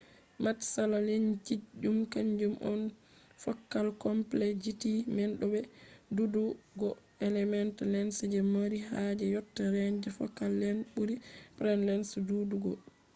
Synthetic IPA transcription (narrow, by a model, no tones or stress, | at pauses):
matsalaleɲt͡ʃid͡ʒumkaɲd͡ʒumʔɔ̰n | fɔkːalkɔmplɛd͡ʒitimɛnɗɔbɛduduɡɔ | ɛlɛmɛntlɛnsd͡ʒɛmaɾiɦad͡ʒɛjɔtːaɾɛnd͡ʒɛfɔ̰kːalːɛnbuɾipɾɛnlɛnsduduɡɔ